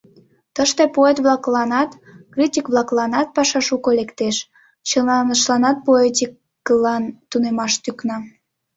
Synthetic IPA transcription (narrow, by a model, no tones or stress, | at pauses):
t̪əʃt̪epoet̪βlˠɑklɑnɑt̪ | kritʲikβlɑklɑnɑt̪̚pɑʃɑʃukolekt̪eʃ | t͡ɕəlɑnəʃlɑnɑt̪̚poet̪ʲikː | əlɑnt̪unemɑʃt̪yknɑ